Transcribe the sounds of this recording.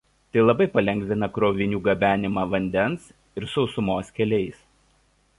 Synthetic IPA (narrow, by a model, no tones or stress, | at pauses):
t̪ɐɪlˠɐbɐɪpɐlʲɛŋʲɡʲzʲɪnɐkɾoːʋʲɪnʲuːɡɐbʲæːnʲɪmɑːʋɐnʲd̪ʲɛns | ɪɾsɔʊsʊmoːskʲɛlʲɛɪs